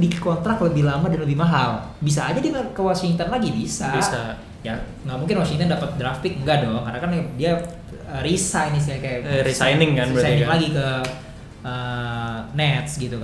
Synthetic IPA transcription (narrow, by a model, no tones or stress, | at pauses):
dikɔnt̪ɾakləbɪhlamadanləbɪhmaɦal | bis̬aːd͡ʒadiŋakəwasiŋt̪ɔnlaɡibisabisa | ja | ŋɡaʔmuŋkɪnwasiŋt̪ɔndapat̪̚dɾafɪk̚ŋɡadɔŋkarnakandia | ərisajnis̬iakajaʔɾisajnɪŋkaisajnɪŋlaɡikə | əːnɛt̪sɡit̪uka